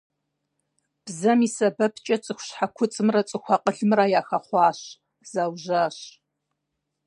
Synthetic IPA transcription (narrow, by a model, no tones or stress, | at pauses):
b̥zɐmiːsɐbɐpʰt͡ʃʼɐt͡sʼɨxʷʊɕħakʷʰʊt͡sʼɨmrɐt͡sʼɨxʷɐqʼəɬɨmrajaːxɐχʷɑːɕ | z̥awʒaːɕ